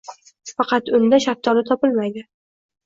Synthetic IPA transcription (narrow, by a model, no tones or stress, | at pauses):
fɑqɑt̪ʊnd̪aʃaɾ̚t̪ʰːɒlɪt̪ʰɒpɪlmajd̪ɪ